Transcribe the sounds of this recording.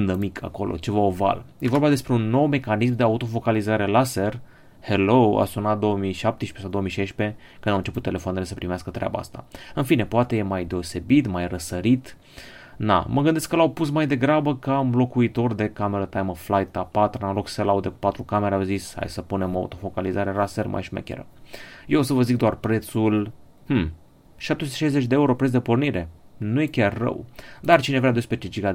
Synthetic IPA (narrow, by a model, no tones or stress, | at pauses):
nd̪əmikʰa̰ko̞lʔo̰t͡ʃe̞vaova̰lje̞vo̞rbad̪espɾe̞unːo̞wme̞kanis̬md̪e̞aut̪o̞fo̞kalizaɾe̞laser | helowa̰sunat̪̚d̪o̞əmijʃap̚t̪eʃi̥pesawd̪oomiʃejʃpe̞ | kɨnd̪awɨnt͡ʃe̞put̪ːe̞le̞fooanele̞səpɾimeaskət̪ɾʲeʔa̰ba̰a̰st̪a̰ɨnfine̞poat̪e̞jemajd̪e̞o̞se̞bit̪majrəsəɾit̪ | na̰məɡɨnd̪e̞skəlawpus̬majd̪e̞ɡɾabəkamlo̞kuit̪o̞rd̪e̞kame̞ɾət̪ajməflajt̪apat̪nalokselaud̪eku̥pat̪ɾukameɾeawzisha̰jsəpune̞moa̰ṵt̪o̞fo̞kalizaɾeɾasermʔa̰jʃimḛkʲḛɾə̰jeos̬əvəzik̚d̪oarpɾe̞t̪sul | mm̩ | ʃap̚t̪esut̪e̥ʃajzet͡ʃʲd̪eeuɾo̞pɾet̪s̬d̪epo̞rniɾe̞nuje̞kʲarːə̰wd̪art͡ʃine̞vɾʲead̪espet͡ʃit͡ʃika